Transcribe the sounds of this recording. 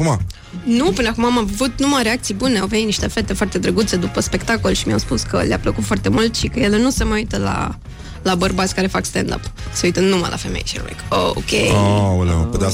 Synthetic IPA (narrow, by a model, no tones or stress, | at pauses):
uma | nupɨnəakumaːmavut̪numaɾeakt̪sijbuneawvenit̪niʃt̪e̞fe̞t̪e̞foart̪e̞d̪ɾəɡut̪se̞d̪upəspe̞kt̪ako̞lʃimia̰wspuskə̰lea̰pləkut̪foart̪e̞mult̪ʃikəje̞le̞nuse̞məjuit̪əla̰ | labərbat̪sʲkaɾe̞fakst̪end̪a̰pseuijt̪ənuma̰jla̰fe̞mḛjʃḭnmḛko̰kʲḛalapet̪a